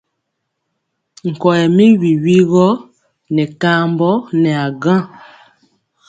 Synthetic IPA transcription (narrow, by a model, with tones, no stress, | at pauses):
ŋ̩˨kɔ˨ɛ˨mi˦wi˨wi˦ɣɔ˦ | nɛ˨ka˦mbɔ˦nɛ˨a˨ɡã˦